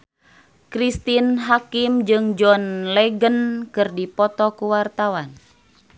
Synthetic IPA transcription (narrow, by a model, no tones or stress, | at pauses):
kɾist̪inɦakimd͡ʒɨŋd͡ʒɔnlɛɡənkɨrdipɔt̪ɔkuwart̪awan